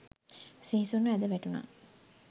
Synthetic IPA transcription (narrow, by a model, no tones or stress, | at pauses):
siɦisunːuæd̪əʋæʈuna̰